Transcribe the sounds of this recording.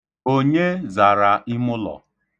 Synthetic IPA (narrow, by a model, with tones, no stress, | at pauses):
o˦ɲe˦za˨ɾa˨ʔɪ˦mʊ˦lɔ̰˨